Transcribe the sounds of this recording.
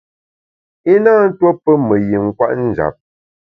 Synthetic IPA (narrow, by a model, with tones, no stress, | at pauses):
i˦naː˦˨n̩˦two˦pə˦mə˨ji˨ŋ̩˦kwa̰˦ʔn̩˦d͡ʒa̰˨p̚